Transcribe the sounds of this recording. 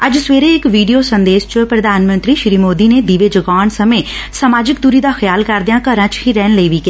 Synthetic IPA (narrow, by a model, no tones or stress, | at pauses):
əd͡ʒsʋeːɾeɪkʋiːɖijoːsənd̪eːʃt͡ʃpɾəd̪ʱaːnmə̃nt̪ɾiːʃɾiːmoːd̪iːned̪iʋeːd͡ʒəɡaːɳsəmẽːsəmaːd͡ʒɪk̚d̪ʊɾiːd̪aːxʰjaːlkəɾd̪ejãːkəɾãːt͡ʃhiːɾɛːnləiːʋiːkɪ